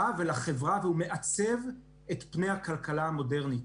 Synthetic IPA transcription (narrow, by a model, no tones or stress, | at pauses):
avelaχe̞vʁaveume̞ʔat͡se̞v | e̞tpne̞jakalkalaamo̞de̞ʁnit